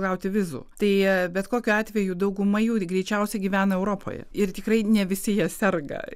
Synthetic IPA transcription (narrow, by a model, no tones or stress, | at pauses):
ɡɐʊt̪ʲɪʋʲɪzṵːt̪ɐɪbʲɛt̪koːkʲuːɑːt̪ʲʋʲɛjuːd̪ɐʊɡʊmɐjuːɡɾʲɛɪt͡ʃʲɛʊsʲɛɡʲiːʋʲæːnɐɛʊɾoːpʰo̰jɛ̰ɪrt̪ʲɪkɾɐɪnʲɛʋʲɪsʲɪjiɛsʲɛrɡɐ̰